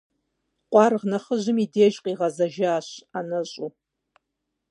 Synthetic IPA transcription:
qʷʼɑrʁnaχəʒɨmideːʒqʼiʁɑzaʒaːɕanɐɕʼu

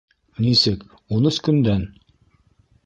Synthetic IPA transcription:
nisɘk | unɤskɵ̆nd̪æn

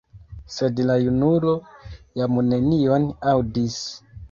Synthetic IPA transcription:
se̞dlajunulo̞jamune̞nio̞nawdis

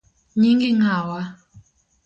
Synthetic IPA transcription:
ɲiŋɡiŋawa

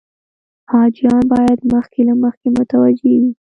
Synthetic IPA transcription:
hɑd͡ʒijɑnbɑjad̪məxkelaməxkemʊt̪awad͡ʒewi

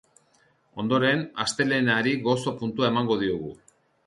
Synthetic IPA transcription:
o̞nd̪o̞ɾe̞nast̪e̞le̞naɾiɣo̞so̞punt̪uae̞maŋɡo̞ðioɣ̞u

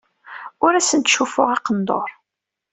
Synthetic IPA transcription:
ʊɾæsənt̪ʃufʊʁɑqənd̪o̰ɾˤ

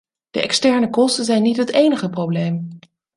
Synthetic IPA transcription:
d̥ə̰ɛ̰kstɛɹnəkɔstəzɛjnːitɦətejnəχəprowblejm

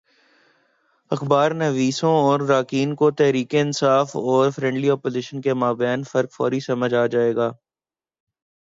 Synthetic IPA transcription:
ɐxbaːɾnɐʋiːsõɔːɾːaːkiːnkot̪ɛɦɾiːkeɪnsaːfɔːɾfɾɛ̃ːɳɖliɔːpoːzɪʃənkemaːbjɛːnfɐɾkfɔ̰ːɾisɐməd͡ʒaːd͡ʒaːeːɡaː

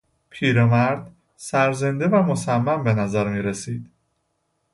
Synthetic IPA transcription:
pʰiːɾemæɾd̪ | sæɾze̞nd̪evæmo̞sæmːæmbe̞næzæɾmiːɾesiːd̪̥

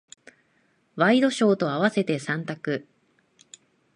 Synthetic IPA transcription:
βaid̪o̞ɕo̞ːt̪o̞aβase̞t̪e̞sãnt̪akɯ̟

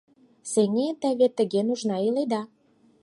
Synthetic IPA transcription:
seŋet̪ə̆βet̪ə̆ɣenuʒnɑiled̪ɑ

